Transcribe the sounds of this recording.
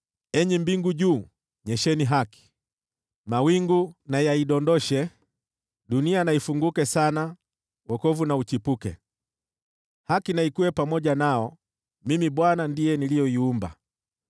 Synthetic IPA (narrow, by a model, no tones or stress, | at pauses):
ɛɲɛmbiŋɡuʄuː | ɲɛʃɛniɦaki̥ | mawiŋɡunajaiɗɔndɔʃɛ | ɗunianaifuŋɡukɛsana | wɔkɔvunaut͡ʃipukɛ̰ | hakinaikuwɛpamɔʄanaɔ | mimiɓwanandijɛnilijɔiumba̰